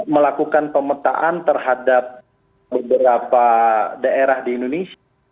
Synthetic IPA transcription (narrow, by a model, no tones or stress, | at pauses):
məlakukanpəmət̪a̰ʔant̪ərɦadap̚ | bəbəɾapadaʔeɾahdiːndones